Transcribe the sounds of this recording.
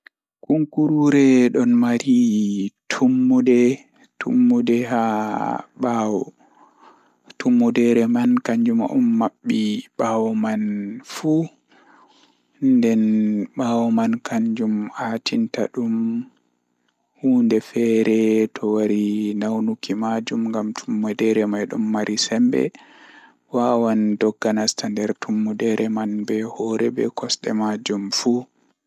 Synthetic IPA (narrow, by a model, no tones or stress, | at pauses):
kuŋkuɾuɾɛɗɔnmaɾitʰumːudɛ | tʰṵmːudɛɦa | ɓawɔ | tumːudɛɾɛmankaɲd͡ʒumṵmːaɓːiɓawɔmanfu | ndɛnɓawɔmankaɲd͡ʒumhaːtintaɗum | huːndɛfɛɾɛtʰɔwaɾinawnukʰimad͡ʒumŋɡamtʰumːudɛɾɛmajɗɔmːaɾʔisɛmbɛ̰ | wawandɔɡːanastandɛɾtʰumːudɛɾɛmanbɛhɔɾɛbɛ̰kʰɔsɗɛ̰mad͡ʒumfu